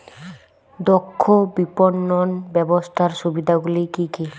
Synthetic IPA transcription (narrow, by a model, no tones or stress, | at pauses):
dɔkʰːɔbipɔnːɔnbɛbɔst̪ʰaɹsubid̪ʱaɡulikiki